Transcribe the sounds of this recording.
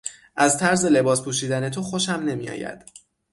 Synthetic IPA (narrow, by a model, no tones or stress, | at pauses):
ʔæzt̪ʰæɾze̞le̞bɒːspʰuːʃiːd̪æne̞t̪ʰoxoʃæmne̞mḭjɒ̰ːjæ̰d̪̥